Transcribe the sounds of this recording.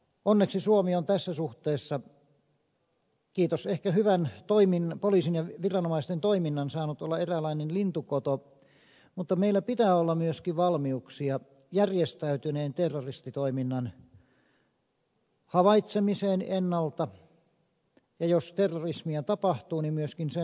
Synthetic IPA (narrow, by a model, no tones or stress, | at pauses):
ʔonːeksisuomiont̪æsːæsuht̪eːsːɑ | kiːt̪osehkæhyʋænt̪oiminːpoliːˑsinjɑʋirɑnomɑist̪ent̪oiminːɑnsɑːnut̪olːɑerælɑinenlint̪ukot̪o | mut̪ːɑmeilːˑæpit̪æːolːɑmyøskiʋʋɑlmiuksiɑ | jærjest̪æyt̪yneːnt̪erːorist̪it̪oiminːɑn | hɑʋɑit̪semiseːnenːɑlt̪ɑ | jɑjost̪erːorismiæt̪ɑpɑht̪uːnimmyøskinse